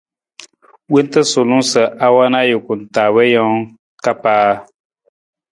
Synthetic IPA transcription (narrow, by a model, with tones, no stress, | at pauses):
we˦n˦tɨ˦sʊ˨lu˦sɨ˨ʔa˦wa˦na˦jʊ˨ku˨n̩˨ta˨wɛ˦jɔ˦ŋ | ka˦paː˦